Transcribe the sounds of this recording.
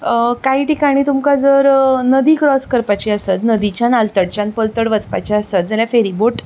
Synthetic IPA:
kaiʈikaɽ̃iːt̪umkad͡zəɾnəd̪iːkɾɔskəɾpat͡ɕiəsət̪nəd̪it͡ɕanalt̪əɽt͡ɕjãnpəlt̪əɽʋət͡spa̰t͡ɕiəsət̪̚d͡zaljafeɾiboʈ

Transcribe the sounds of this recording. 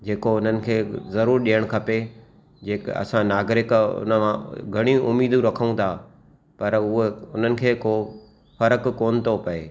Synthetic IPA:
d͡ʑeːkoʊn̤ənɪ̆kʰeːzɐɾuːɾɗijəɽ̃kʰɐpe | d͡ʑeːkɐ̰sãnaːɡɾɪkʊ̰nəmãɡʱɐɽ̃ĩʊmiːd̪ũɾɐkʰəũt̪ʰaː | pɐɾʊɦeʊn̤ənɪ̆kʰeːko | fɐɾəkːoːnɪ̆t̪ʰopɐeː

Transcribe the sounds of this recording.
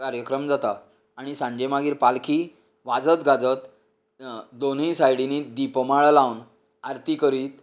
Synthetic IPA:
kaɾjəkɾəmd͡zat̪aː | ɽ̃isãɲd͡ʑemaɡiːɾpalkʰiː | ʋad͡zət̪ɡad͡zət̪ | d̪onisajɽiniːd̪ipmaɭəlawn | aɾt̪ikəɾiːt̪

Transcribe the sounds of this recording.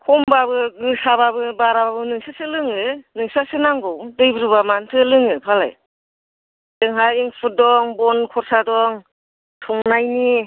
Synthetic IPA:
kʰɔmbabɯɡɯsababɯbaɾababɯnɯŋsasɯlɯŋɯnɯŋsasɯnaŋɡɔwdɯjbɯɾɯbamantʰɯlɯŋɯpʰala̰j | dɯŋɦajiŋpʰudɔŋbɔnkʰɔɾsadɔŋ | tʰɔŋnajni

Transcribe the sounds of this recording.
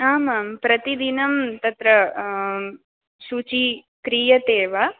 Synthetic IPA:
aːmaːmpɾɐt̪id̪inɐmt̪ɐt̪ɾɐ | ʃut͡ʃi | kɾiːjɐt̪eːʋa

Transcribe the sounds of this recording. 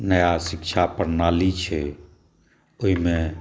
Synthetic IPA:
nəjasɪkt͡ʃʰapəɾnaːlit͡ʃʰɛ | oɦimẽ

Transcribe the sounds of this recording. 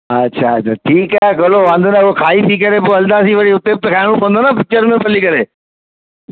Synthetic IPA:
ɐtːɕʰaɐt͡ɕʰaʈʰiːkaːɦekoloʋãːnd̪onaʊokʰaːit̪ʰikɐɾepoɦɐlnd̪aːsiʋɐɽiʊt̪eːb̚t̪ɐkʰaːɪɽ̃ũpʰõnd̪onapɪt͡ɕəɾmẽpʰɐlikɐɾeː

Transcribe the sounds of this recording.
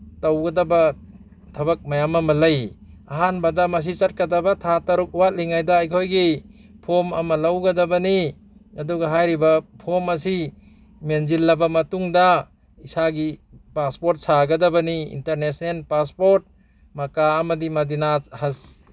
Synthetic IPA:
tawɡɐdɐbɐ | tʰɐbɐk̚majamɐmɐlɐj | aɦanbɐdɐmɐs̬it͡ʃɐt̚kadɐbɐtʰatɐɾuk̚uwat̚liŋajdɐːjkʰojɡi | pʰomɐ̰mɐlawɡɐdɐbɐni | ɐduɡaɦajɾibɐpʰomɐsi | menzilːɐbɐmɐtuŋda | isaɡipaspoɾt̚saɡɐdɐbɐniḭnteɾnesnelpaspoɾt̚ | mɐkaːmɐdimɐdinahas

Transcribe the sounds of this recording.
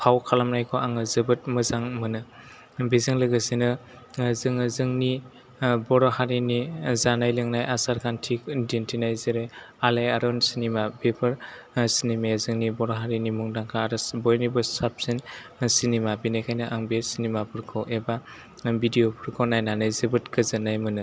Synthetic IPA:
pʰawkʰalamnajkʰɔʔaŋɯzɯbɯt̚mɯzaŋmɯnɯ | bizɯŋlɯɡɯsinɯ | zɯŋɯzɯŋni | bɔɾɔhaɾinizanajlɯŋnajʔasaɾkʰantʰik̚dentʰinajzɯɾe | alajaɾɔnsinimabepʰɯɾ | sinimezɯŋnibɔɾɔɦaɾinimuŋdaŋkʰaːɾɯsbɔjnibɯsap̚sinsinimabinajkʰajnɯʔaŋbesinimapʰɯɾkʰɔʔeba | bidijopʰɯɾkʰonajnanɯjzɯbɯtkɯzɯnajmɯnɯ

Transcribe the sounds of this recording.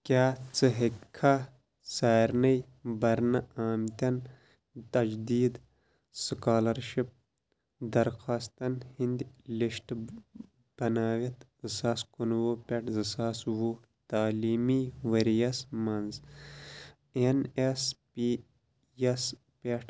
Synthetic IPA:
kʲaːt͡sɨɦikʰːa | saːiɾnɐj | bɐɾnɐaːmt̪ʲɐn | t̪ɐd͡ʒd̪iːd̪ | sɨkaːlɐɾʃip̚ | d̪ɐɾxaːst̪ɐnhind̪iliʃʈ | b̥ɐnaːʋit̪zɨsaːskunwopʲeʈʰzɨsaːswu | t̪aːliːmiʋɐɾijɐsmɐnz | enespi | ɐs | peʈ

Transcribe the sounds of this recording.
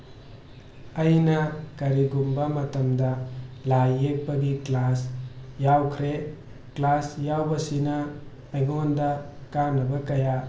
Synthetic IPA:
ɐjnɐkɐɾiɡumbɐmɐtɐmdɐlajek̚bɐɡiklasjawkʰɾe | klasjawbɐsinɐː | jɡondɐkanːɐbɐkɐja

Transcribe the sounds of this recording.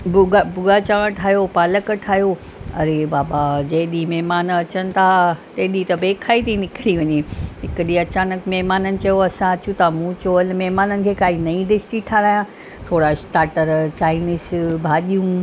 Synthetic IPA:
bʊɡbʊɡaːt͡ɕaə̃ʈʰaːɦjopaːləkʈʰaːɦijo | ɐ̰ɾebaːbad͡ʑɐɪ̃ɗimɛɦmaːnɐt͡ɕənɪ̆t̪ʰat̪ɐɦɗit̪ɐbeːkʰaːit̪ʰinɪkʰɪɽiʋɐɲeɦɪkəɗiɐt͡ɕaːnəkmɛɦmaːnənɪ̆t͡ɕɐjoɐsãɐt͡ɕũt̪amũt͡ɕoːəlmɛɦmaːnənɪ̆kʰeːkaːinɐĩd̪ɪsʈiʈʰaːɾaːjã | t̪ʰoːɽasʈaːɾʈəɾt͡ɕaːɪnɪsbʱaːɗijũ

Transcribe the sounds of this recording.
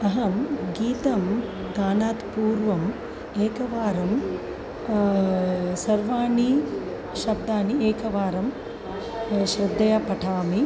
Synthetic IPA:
ɐɦɐmɡiːt̪ɐm | d̪aːnaːt̪puːɾʋɐm | eːkɐʋaːɾɐm | sɐɾʋaːni | ʃɐb̚d̪aːnieːkɐʋaːɾɐm | ʃɾɪd̪ːɐjɐpɐʈʰaːmi

